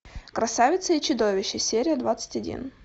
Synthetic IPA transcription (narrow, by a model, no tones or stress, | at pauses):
kɾɐsavʲɪt̪səit͡ɕʊd̪o̞vʲɪɕːɪsʲeɾʲɪjəd̪vat̪sɨ̥tʲɐdʲḭn